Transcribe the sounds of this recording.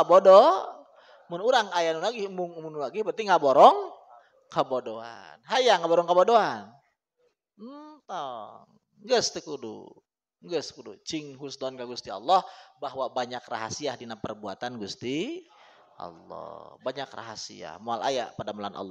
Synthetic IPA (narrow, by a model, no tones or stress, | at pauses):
abodɔ | mʊnuɾaŋajanulaɡimʊŋumunulaɡihbərnt̪iŋaboɾɔŋ | kəbodoa̰nɦajaŋabɔɾɔŋkəbodoan | t̪ɔŋ | ŋɡəst̪əkudṵ | ŋɡəskudut͡ʃɪŋɦusdɔnkaɡust̪iɔ̰lːɔhbaɦwabaɲakra̰ɦa̰siahdinapərbua̰t̪anɡust̪i | ʔɑ̰lːɔ̰hbaɲakra̰ɦasḭa̰hmoala̰ja̰padamala̰nʔa̰lːɔ